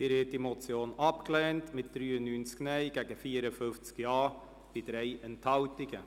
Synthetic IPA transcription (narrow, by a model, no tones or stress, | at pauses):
ɪɾɪːt̚dimot͡sjoːnɑpklɛːntmɪt̚d̥ɾyːənːynt͡sknɛɪɡ̥ɛɡəfiːɾəfʏft͡skjɑː | b̥id̥ɾeɪəntʰɑwtɪɡə